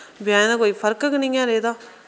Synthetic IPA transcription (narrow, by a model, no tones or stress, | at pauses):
bɪjãːd̪aːkoːiːpʰəɾkknĩŋãːɾeːd̪aː